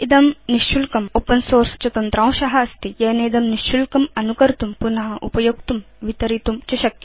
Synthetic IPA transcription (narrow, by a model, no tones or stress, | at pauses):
id̪ɐmniʃt͡ʃulkɐmoːpɐnsoːɾst͡ʃɐt̪ɐnt̪ɾãːw̃ʃɐɦɐɐst̪ijɐːneːd̪ɐmniʃt͡ʃulkɐmɐnukɐɾt̪umpunɐɦɐʔṵpɐjoɡ̚t̪um | ʋit̪ɐɾit̪umt͡ʃɐʃɐkɐ̥